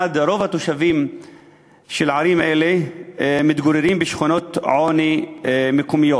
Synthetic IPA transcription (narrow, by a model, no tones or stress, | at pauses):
ad̪ɾo̞vhat̪oʃavim | ʃelʕaɾimʔelemit̪ɡoɾeɾimbeʃχuno̞t̪ʕonimekomijo